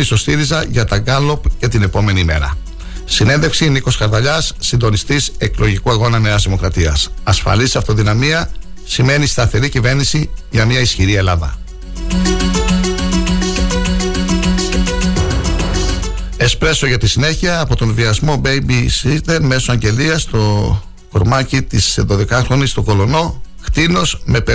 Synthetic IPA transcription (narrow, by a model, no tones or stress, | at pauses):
iso̞st̪iɾizɐʝɐt̪ɐɡɐlo̞pce̞t̪ine̞po̞me̞nime̞̰ɾɐ̰ | sine̞nðefksiniko̞skɐɾðɐʎɐsːind̪o̞nist̪ise̞klo̞ʝikuɐɣo̞nɐneɐzðimo̞kɾɐt̪iɐsɐsfɐ̰lisɐft̪o̞ðinɐmiɐ | sime̞nist̪ɐθe̞ɾicive̞ɾnisiʝɐmɲɐisçiɾie̞lɐðɐ̰ | e̞spɾe̞so̞ʝɐt̪isine̞çiɐːpo̞t̪o̞nviɐzmo̞bejbisid̪enme̞soɐɲɟe̞liɐst̪o̞ | koɾmɐcit̪iseðo̞ðe̞kɐxɾo̞nist̪oko̞lo̞no̞kt̪ino̞zme̞pe